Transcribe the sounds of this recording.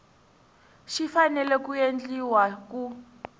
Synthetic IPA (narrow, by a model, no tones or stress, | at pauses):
ʃifanɛlɛkujend͡ɮiwak̬u